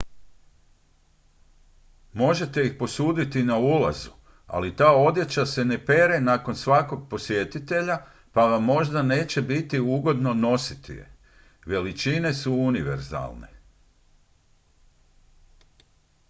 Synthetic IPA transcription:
mo̞ʒe̞t̪e̞ixpo̞suːd̪it̪inaula̰zu | a̰lit̪aːo̞d̪je̞t͡ɕase̞ne̞pe̞ɾe̞naːko̞nsʋako̞ɡ̚po̞sje̞t̪it̪e̞ʎa | paʋamːo̞ʒd̪ane̞ːt͡ɕebit̪iuːɡo̞d̪no̞no̞sit̪ḭḛ | ʋe̞lit͡ʃinesuuniʋe̞̰ɾza̰lne̞̰

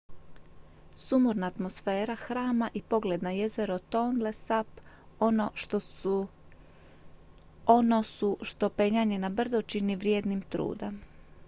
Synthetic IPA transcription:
sumuɾnaːt̪mosfe̞ːɾaxɾaːmaʔipo̞ɡle̞d̪naje̞zeɾot̪onlesap | onosuʃt̪o̞peɲaɲenabr̩d̪ot͡ʃiniʋɾjeːd̪nimt̪ɾṵːd̪am

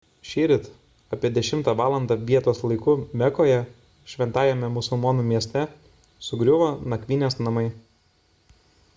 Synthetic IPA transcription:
ʃʲiːɾʲɪt̪ | ɐpʲiɛd̪ʲɛʃʲɪmt̪ɑːʋɑːlˠɐnd̪ɑʋʲiɛt̪oːslˠɐɪkʊmʲɛkoːjɛ | ʃʲʋʲɛnt̪ɑːjɛmʲɛmʊsʊlˠmɔnuːmʲiɛsʲt̪ʲɛ | sʊɡɾʲʊʋoːnɐkʲʋʲinʲeːsnɐmɐɪ

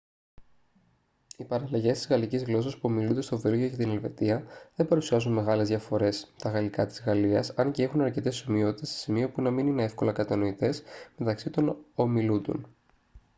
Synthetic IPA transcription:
ipɐɾɐlɐʝe̞st̪izɣɐlicizɣlo̞sɐspuomilund̪e̞st̪o̞velʝo̞cet̪ine̞lve̞t̪iɐðe̞bɐɾusiɐzunme̞ɣɐle̞zðʝɐfo̞ɾe̞st̪ɐɣɐlikɐt̪i̥zɣɐliɐ̰sɐnce̞exunɐɾce̞t̪e̞somio̞t̪i̥t̪e̞se̥simio̞punɐminine̞e̞fko̞lɐkɐt̪ɐno̞it̪e̞sme̞t̪ɐksit̪o̞no̞milund̪o̰n

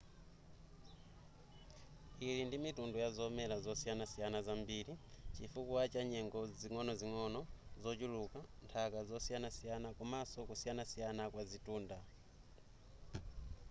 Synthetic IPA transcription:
ilindimitundujazɔmɛlazɔsijanasijanazambilit͡ʃifukuat͡ʃaɲɛŋɡɔziŋɔnɔziŋɔnɔzɔt͡ʃulukantʰakazɔsijanasijanakumasɔkusijanasijanakwazituːnda

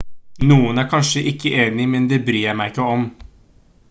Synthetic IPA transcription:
nuːənæːɾkʰɑnʂəʔɪkʰːəʔeːnɪmɛnd̪ɛːbɾyːjæmæɪɪkːəɔm

